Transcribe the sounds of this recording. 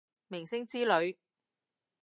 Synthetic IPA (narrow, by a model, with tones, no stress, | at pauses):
mɪ˨˩ŋsɪ˥ŋt͡siː˥lɵ˨˧ɥ